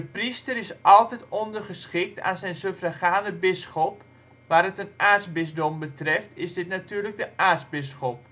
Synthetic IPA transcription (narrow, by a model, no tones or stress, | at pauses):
dəpristəɾɪsʔɑlˠtɛtondərχəsχɪk̚tʰa̰ːnzɛjnsøfraχaːnəbɪsxɔp | ʋaːrətənʔaːtsbɪsdɔmbətrɛftʰɪsdɪtnatyːrlək̚dəʔaːrsbɪsxɔp̚